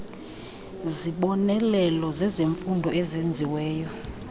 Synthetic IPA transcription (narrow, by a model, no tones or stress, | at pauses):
ziɓɔnɛlɛlɔzɛzeɱfundʱɔɛzend͡zʱiwɛːjɔ